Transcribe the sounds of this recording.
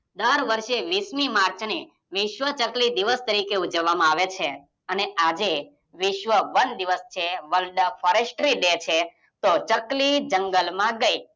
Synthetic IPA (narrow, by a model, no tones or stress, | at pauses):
d̪əɾʋəɾʃeʋismimaɾt͡ʃni | ʋɪʃʋət͡ʃəklid̪iʋəst̪əɾikeud͡ʒəʋːamãaʋet͡ʃʰe | əneʔad͡ʒe | ʋɪʃʋəʋənd̪iʋəst͡ʃʰeʋəlɖfʰəɾesʈɾid̪et͡ʃʰe | t̪ot͡ʃəklid͡ʒəŋɡəlmãɡəi